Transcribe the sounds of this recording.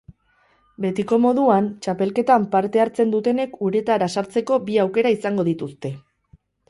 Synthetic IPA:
be̞t̪iko̞mo̞ðuant͡ʃape̞lke̞t̪ampaɾt̪e̞aɾt͡se̞nd̪ut̪e̞ne̞kuɾe̞t̪aɾasaɾt͡se̞ko̞biawke̞ɾaisaŋɡo̞ð̞it̪ust̪e̞

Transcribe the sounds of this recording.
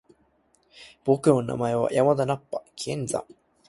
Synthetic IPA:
b̥okɯona̰maewa̰ʔjamad̪anapːakiend͡za̰

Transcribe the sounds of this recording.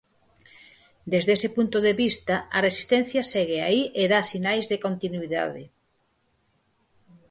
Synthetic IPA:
d̪ezðesepunt̪oðeβist̪aɐresi̥st̪ɛ̃n̟θjɐsɛɣea̰iʔeðasinajzðekont̪inwiða̰ðe

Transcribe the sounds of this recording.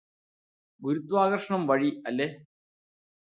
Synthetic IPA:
ɡuɾut̪ːʋaːɣɐrʂɐɳɐmʋɐɻiɐlːe

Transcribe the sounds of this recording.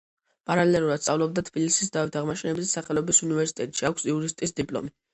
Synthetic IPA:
pʼaɾalɛɛluɾad̪sʼavlˠɔb̚d̪at̪ʰb̥ilisis̬d̪avit̪ʰaʁmaʃɛnɛbizsaχɛlˠɔbisunivɛɾsi̥t̪ʼɛt̪ʼʃiakʷʰsiuɾist̪ʼisd̪ipʼlˠɔ̰mi

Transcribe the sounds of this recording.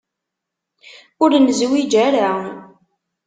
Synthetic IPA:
ʊɾnzwid͡ʒæɾawən

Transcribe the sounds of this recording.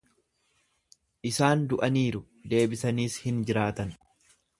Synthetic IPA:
ʔɪsaːnd̪ʊʔɐniːɾʊ | d̪e̞ːbɪsɐniːshɪnd͡ʒɪɾaːt̪ɐn

